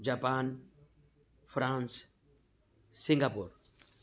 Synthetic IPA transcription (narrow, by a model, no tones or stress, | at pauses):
d͡ʒapan | fɾãns | sĩŋɡapuɾ